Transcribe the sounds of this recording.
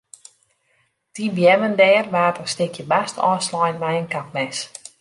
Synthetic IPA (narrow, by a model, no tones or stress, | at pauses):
tibjɛməndɛːrʋaːtənstɪkʰjəbastʰɔːslɔjnʋɛjənkap̚mɛs